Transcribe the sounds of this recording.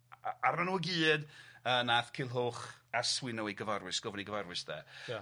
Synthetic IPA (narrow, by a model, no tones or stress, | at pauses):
aranuəɡiːdənaθkʰɪlˠɦoːχaswɪnɔweɡəvarwɪsɡ̥ɔvniɡəvarwɪsdɛ̰